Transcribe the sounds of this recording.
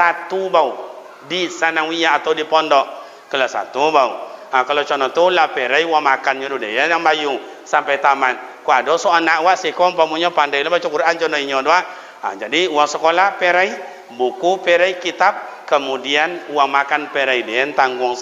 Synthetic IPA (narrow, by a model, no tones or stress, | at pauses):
sat̪ubau | disanaŋwijaːt̪audipɔndɔʔ | kəlasa̰t̪ubauakalat͡ʃɔnɔt̪ulapɛɾaiwamakanɲɔdudḛjajaŋbaju | sampajt̪aman | kuadɔsɔanaʔwaʔsikɔmpamuɲɔpandajlabat͡ʃɔkuɾʔaɲt͡ʃɔnɔiɲɔdɔaʔ | a̰d͡ʒadiuwaŋsəkolapɛɾai | bukupɛɾaikit̪ap̚kəmudianuwaŋmakanpɛɾaidejant̪aŋɡuŋ